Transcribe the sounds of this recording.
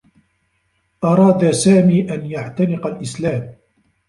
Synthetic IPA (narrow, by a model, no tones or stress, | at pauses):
ʔɑɾˤɑːd̪asaːmiːʔanjaʕt̪anɪqalʔɪslaːm